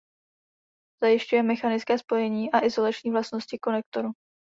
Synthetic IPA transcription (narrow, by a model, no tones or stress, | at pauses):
z̥ajɪʃcujɛmɛxanɪt͡skɛːspo̞jɛɲiːʔaʔɪzo̞lat͡ʃɲiːvlast̪no̞scɪko̞nɛk̚t̪o̞ɾu